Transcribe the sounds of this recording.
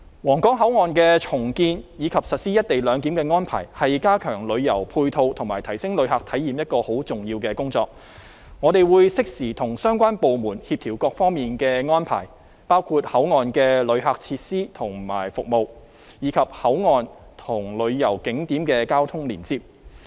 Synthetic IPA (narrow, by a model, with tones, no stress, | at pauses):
wɔː˨˩ŋkɔː˨˥ŋɦɐ˨˥wŋɔː˨nkɛ˧t͡sʰʊ˨˩ŋkiː˧njiː˨˧kʰɐ˨p̚sɐ˨t̚siː˥jɐ˥t̚t̪e˨jlœː˨˧ŋt̪iː˨˥mkɛː˧ŋɔː˥npʰa̰ː˨˩jhɐ˨jkaː˥kʰœː˨˩ŋlɵ˨˧ɥjɐ˨˩wpʰuː˧jt̪ʰo˧wt̪ʰʊ˨˩ŋmaː˨˩jt̪ʰɐ˨˩jsɪ˥ŋlɵ˨˧ɥɦaː˨k̚t̪ʰɐ˨˥jːiː˨mjɐ˥t̚kɔː˧ho˨˥wt͡sʊ˨˩ŋjiː˧wkɛː˧kʊ˥ŋt͡sɔː˧k̚ | ŋɔ˨˧t̪e˨jwuː˨˧jsɪ˥k̚siː˨˩t̪ʰʊ˨˩ŋsœː˥ŋkʷaː˥npo˨wmuː˨˩nhiː˧p̚t̪ʰiː˨˩wkɔː˧k̚fɔː˥ŋmiː˨nkɛː˧ŋɔː˥npʰa̰ː˨˩j | paː˥wkʰuː˧t̚hɐ˨˥wŋɔː˨nkɛː˧lɵ˨˧ɥɦaː˨k̚t͡sʰiː˧t̚siː˥t̪ʰʊ˨˩ŋma̰ː˨˩jfʊ˨k̚mo˨w | jiː˨˧kʰɐ˨p̚hɐ˨˥wŋɔː˨˧nt̪ʰʊ˨˩ŋlɵ˨˧ɥjɐ˨˩wkɪ˨˥ŋt̪iː˨˥mkɛː˧kaː˥wt̪ʰʊ˥ŋliː˨˩nt͡siː˧p̚